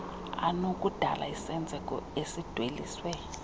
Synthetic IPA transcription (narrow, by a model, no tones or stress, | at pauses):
a̰nokʼud̥ʱa̰lʔa̰isɛnd͡zʱɛkʼɔ̰esid̥ʱwelḭːswɛ